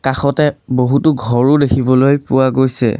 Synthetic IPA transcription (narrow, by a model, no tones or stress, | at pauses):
kaxɔtɛboɦutʊɡʱɔɹʊdekʰibɔlojpʊwaɡojsɛ̰